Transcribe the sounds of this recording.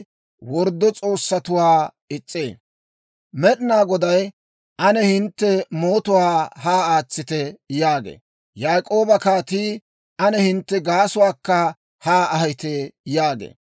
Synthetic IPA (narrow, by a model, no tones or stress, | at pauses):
wɔɾd̪ːɔt͡sʼo̞ːsːɐt̪ʊwaː | ɪt͡sʼːḛː | mɛɗɪnaːɡɔd̪ɐj | ʔɐnɛhɪnt̪ːɛmoːt̪ʊwaːhaːaːt͡sːɪt̪ɛjaːɡḛː | jaːkʼo̞ːbɐkaːt̪iː | ʔɐnɛhɪnt̪ːɛɡaːsʊwaːkːɐ | haːɐɦɐjt̪ejaːɡḛː